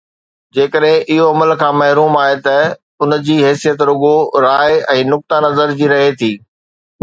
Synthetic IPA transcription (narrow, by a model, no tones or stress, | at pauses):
d͡ʑeːkəɗɦɪ̃ʔɪɦoɐməlkʰãːmɐɦɾuːmaːɦet̪ɐ | ʊnd͡ʑiːɦɛːsijət̪ɾʊɠoɾaːɛ̃ːnʊk̚t̪anɐzəɾd͡ʑiːɾɐɦet̪ʰiː